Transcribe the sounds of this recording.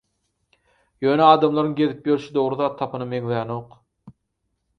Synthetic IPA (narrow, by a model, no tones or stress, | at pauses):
jøːneɑːd̪ɑmlˠɑɾɯŋɡʲe̞ðip̚jøɾʃid̪o̞ʁɾuðɑːt̪ʰːɑpʰɯnɯmeŋlejɑnoːq